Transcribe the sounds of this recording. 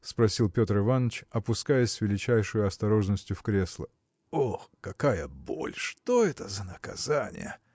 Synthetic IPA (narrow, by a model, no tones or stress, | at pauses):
spɾɐsʲilˠpʲo̞t̪rɨvanːət͡ɕɐpʊskajəsʲsvʲɪlʲɪt͡ɕæjʂəjʊɐst̪ɐɾo̞ʐnəsʲtʲjʊfkɾʲe̞slˠə | oxkɐkajəbo̞̰lʲʂt̪oɛt̪əzənəkɐzanʲɪ̰jə̰